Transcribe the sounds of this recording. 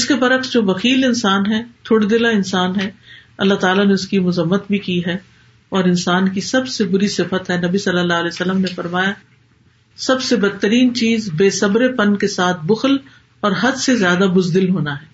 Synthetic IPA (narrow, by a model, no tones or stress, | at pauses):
ɪskebɐɾəksd͡ʒoːʋɐxiːlɪnsaːnɦɛːt̪ʰʊɽd̪ɪlaɪnsaːnɦɛːɐlːaɦt̪aːlaneʊskimʊzəmːət̪bʱikiɦɛː | ɔːɾɪnsaːnkisɐbsebʊɾisɪfət̪ɦɛnɐbisɐlːəlːaːɦəlɛːsɐlːəmnefɐɾmaːja | sɐbsebɐd̪̚t̪ːəɾiːnt͡ʃiːzbeːsɐbɾepɐnkesaːt̪̚ʰbʊxəl | ɔːɾɦɐd̪sezjaːd̪amʊzd̪ɪlɦoːnaɦɛː